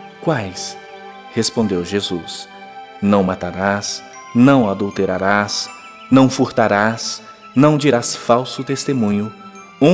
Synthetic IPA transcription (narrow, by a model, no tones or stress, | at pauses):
kwajs | hespõnd̪ewʒezus | nɐ̃w̃mat̪aɾas | nɐ̃w̃ad̪uwt̪eɾaɾas | nɐ̃w̃fuɾt̪aɾas | nɐ̃w̃d͡ʒiɾasfawsʊt̪est̪emũɲʊ | ũ